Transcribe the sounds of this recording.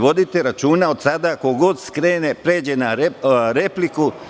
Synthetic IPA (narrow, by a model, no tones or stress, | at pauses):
ʋo̞d̪it̪eɾat͡ʃuːnao̞d̪sad̪ako̞ɡo̞d̪skɾe̞ːne̞pɾe̞ːd͡ʑe̞naɾɾe̞pliku